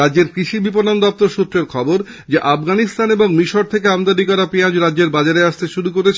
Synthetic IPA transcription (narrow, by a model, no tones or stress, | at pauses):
add͡ʑeɾkɾiʃibiponand̪ɔp̚t̪oɾʃut̪ːɾeɾkʰɔboɾ | d͡ʑeʔafɡanist̪aneboŋmiʃoɾt̪ʰek̬eamd̪adikɔɾapiad͡ʑɾadʑeɾbad͡ʑaɾeaʃt̪eʃuɾukoɾet͡ɕʰ